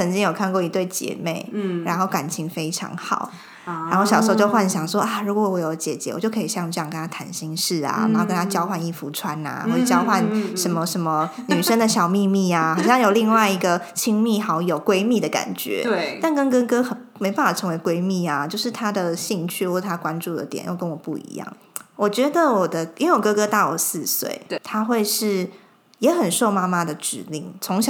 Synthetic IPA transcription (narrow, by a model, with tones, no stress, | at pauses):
t͡sʰə˧˥nt͡ɕi˥ŋjo˨˩ʊkʰa˥˧nkwɔ˥˩i˧t̪we˥˩ɪt͡ɕjɛ̰˧˥˦me˥˩ɪɻa̰˧˥nxo˥˩ʊka˨˩nt͡ɕʰi˧˥ŋfe˥ɪʈ͡ʂʰɑ̰˧˥˦ŋxɑ̰˨˩˦ʊ | a˧˥nxo˥˩ʊɕɑ˨˩ʂɻ̩˥˧˥t͡ɕjo˥˧ʊxwa˥˩n˩ɕjɑ˨˩ŋʂwɔ˥ʔa˥˩ɻu˧˥kwɔ˨˧˩wɔ˧˥jo˨˧˥ʊt͡ɕjɛ˨˩t͡ɕjɛ̰˧˦wɔ˨˩t͡ɕjo˥˩ʊkʰi˨˩ɕjɑ˥˧ŋ˨ʈ͡ʂə˥˧jŋkə˧˥nʰa˥t̪ʰa˧˥nɕi˥ŋʂɻ̩˥˩a̰˨˩a̰˨˧˥nxo˥˩kə˥nʰa˥t͡ɕjɑ˥ʊxwa˥˧ni˥˩fu˧˥ʈ͡ʂʰwa˦na̰˨˩xwɔ˥˩ə˨˩t͡ɕjɑ˥ʊxwa˥˩nʂə˧˥nmə˧ʂə˧˥nmə˧ny˨˩ʂə˥ŋd̪ə˨ɕjɑ˨˩ʊmi˥˧mi˥˩a˩xɑ˨˩ʊɕjɑ˥˩ŋjo˨˩ʊli˥˧ŋwa˥˩ɪi˧˥ɡə˧t͡ɕʰi˥ŋmi˥˩xɑ˧˥ʊjo˨˩ʊkwe˥ɪmi˥˩d̪ə˩ka̰˨˩nt͡ɕɥɛ̰˧˦t̪a˥˩nkə˥nkə˥kɤ˥xə˨˩me˧˥ɪpa˥˩a˨˩ʈ͡ʂʰɤ˧˥ŋwe˧˥ɪkwe˥ɪmi˥˩a˩t͡ɕjo˥˧ʊʂɻ̩˥˩t̪ʰa˥d̪ə˨ɕi˥˧ŋt͡ɕʰy˥˧wɔ˥˩ʂ̩ʰ˥˩a˥˧kwa˦nʈ͡ʂu˥˩d̪ə̰˨˩jɛ̰˨˩˦njo̰˥˩ʊkə˦nwɔ˨˩pṵ˥˩ḭ˧˥jɑ̰˥˩ŋ | wɔ˨˩t͡ɕɥɛ˧˥d̪ə˨wɔ˨˩d̪ə˦i˥nwe˥˩wɔ˨˩kɤ˥kɤ˥t̪ɑ˥˩wɔ̰˨˩sɹ̩˥˧swḛ˥˩ɪt̪ʰa˥xwe˥˧ɪʂɻ̩˥˩ | jɛ˧˥xə˨˩nʂo˥˩ʊma˥ma˧d̪ə˨ʈ͡ʂɻ̩˨˩lḭ˥˩ŋt͡sʰʊ˧˥ŋɕ